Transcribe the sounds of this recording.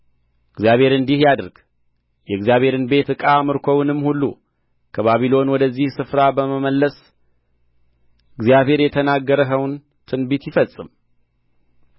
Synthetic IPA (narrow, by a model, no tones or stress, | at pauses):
ɨɡzjaβhe̞ɾɨnd̪ihjad̪ɾɡ̥ | jɛɡzijaβhe̞ɾɨnbe̞t̪ɨkʼamɨɾkʰʷownɨmːhulːṵ | kʰəβaβilo̞nwɔd̪əzːihsɨfɾabəməməlːəs | ɨɡzjaβhe̞ɾjɛt̪ʰənaɡːəɾəɦəwn | t̪ʰɨnbit̪jɪfəsʼːɨm